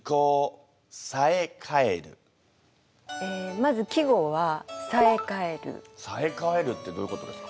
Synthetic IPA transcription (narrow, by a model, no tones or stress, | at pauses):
koː | sae̞kʰaeɾɯ̟̰ | eːmazɨkʲiɡo̞βasaekae̞ɾɯ̰sae̞kae̞ɾɯ̟t̪ːe̞d̪o̞ːjɯko̞t̪o̞d̪esɨ̥kḁ